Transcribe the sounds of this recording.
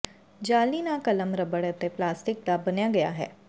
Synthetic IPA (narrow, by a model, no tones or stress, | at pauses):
d͡ʒaːlinakɐləmɾɐbɐɽet̪eplaːsʈɪk̚d̪abɐnjaɡɐja̰ɦɛ̰ː